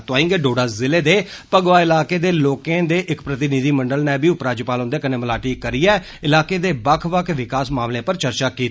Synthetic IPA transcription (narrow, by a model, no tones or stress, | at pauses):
t̪oaːĩːŋɡeːɖoːɽaːzɪleːd̪eːpəɡʋaːɪlaːkeːd̪eːloːkẽːd̪eːʔɪkpɾət̪ɪnid̪iːməɳɖəlnɛːbiːʊpɾaːd͡ʒpaːlʊ̃nd̪eɛːkəneːməlaːʈiːkəɾiːɛː | ɪlaːkeːd̪eːbəkʰʋəkʰʋɪkaːsmaːmlẽːpəɾt͡ʃəɾt͡ʃaːkiːt̪ː